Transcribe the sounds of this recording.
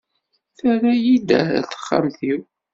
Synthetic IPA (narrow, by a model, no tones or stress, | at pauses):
θæɾajid̪æ̰θə̥χːa̰mθiw